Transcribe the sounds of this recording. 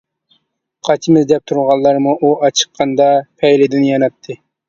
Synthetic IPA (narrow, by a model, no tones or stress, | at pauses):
qʰɑt͡ʃʰimɪzd̪ɛp̚t̪ʰuɾʁɑlˠːɑɾmuʔuʔɑt͡ʃʰə̥qʰːɑnd̪ɑpʰɛjlɪd̪ɪnjɑnɑt̪ʰːɨ